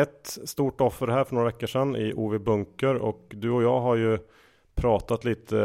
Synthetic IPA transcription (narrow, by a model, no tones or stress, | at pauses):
ɛt̪st̪uːʈɔfːəɾɦæːɾfœɳoːɾavɛkːəʂɛnːɪ̰ʔuːvɪbɵŋkəɾɔ̰kd̪ɵɔjɑːɦaɾjɵ | pʰɾɑːt̪at̪liːt̪ʰə